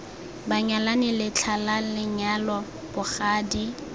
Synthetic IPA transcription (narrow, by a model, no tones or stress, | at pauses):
baɲalanɪlɪt͡ɬʰalalɪɲalɔ | b̥ʊχaːdi